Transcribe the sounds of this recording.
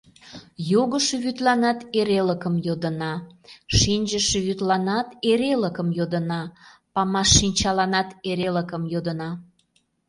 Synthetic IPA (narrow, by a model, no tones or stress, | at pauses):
joɣəʃeβyt̪lɑnɑt̪eɾeləkəmjod̪ə̆nɑʃinʲʒəʃeβyt̪lɑnɑt̪eɾeləkəmjod̪ə̆nɑpɑmɑʃːinʲt͡ɕɑlɑnɑt̪eɾeləkəmjod̪ənɑ